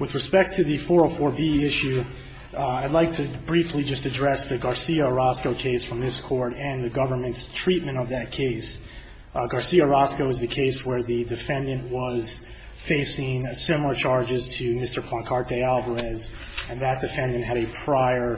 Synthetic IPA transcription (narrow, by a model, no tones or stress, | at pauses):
wɨðɹɨspɛk̚tʰɨðɨfɔɹofɔɹbiɪʃʉ | aɪdˡlaɪk̚tʰɨbɹiflid͡ʒʌstɨdɹɛsðɨɡɑɹsiɨɹɑskoʊkʰeɪsfɹʌ̃mðɪskʰɔɹɾɨ̃nðɨɡʌvə˞mɨ̃ntstʰɹ̥it̚mɨ̃ɾ̃ʌvðɨt̚kʰeɪs | ɡɑɹsiɨɹɑskoʊɨzðɨkʰeɪswə˞ðɨdɨfɛ̃ndɨ̃nʔwʌz̥ | feɪsɪ̃ŋsɪ̃ml̩ˠə˞t͡ʃʰɑɹd͡ʒɨz̥tʰɨmɪstə˞pʰlɑ̃nkʰɑɹt̚d̥eɪælˠbə˞ɛz | ɨ̃nðɨt̚d̥ɨfɛ̃ndɨ̃nt̚ɦɨɾɨpʰɹ̥aɪə˞